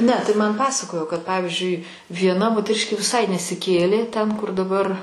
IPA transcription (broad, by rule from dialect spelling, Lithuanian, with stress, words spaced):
ˈnʲɛ tɐɪ ˈmɐn ˈpɑːsɐkoːjoː kɐt ˈpɑːʋʲɪzʲd͡ʒʲʊɪ ʋʲiɛˈnɐ moːtʲɛˈrʲɪʃʲkʲeː ʋʲɪˈsɐɪ nʲɛsʲɪˈkʲeːlʲeː tʲɛn kʊr dɐˈbɐr